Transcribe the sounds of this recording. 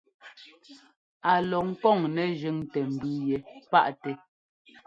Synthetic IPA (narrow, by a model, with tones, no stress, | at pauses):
a˨lɔ˨ŋ̩˦kɔ˦˨ŋnɛ˨ʒʉ˦ŋtɛ˨m̩˨bʉ˦jɛ˨pa̰˦ʔtɛ˨